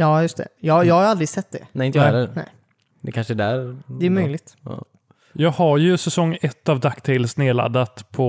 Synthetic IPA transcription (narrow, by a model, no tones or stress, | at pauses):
jɑːjɵst̪ʰɛ̰jɑːjɑːɡhajald̪ɾɪɡsɛt̪ːd̪ɛ̰ɛɪnəjɛlːənɛ̰ɪ | d̪ɛkʰanʂəɛd̪æɾd̪ɛæmœjlɪɡ̚t̪ː | jɑːɡhaɾjɵsɛsɔŋːɛt̪ːavd̪akːt̪ʰɪlsneːɭa̰d̪ːat̪pʰɔ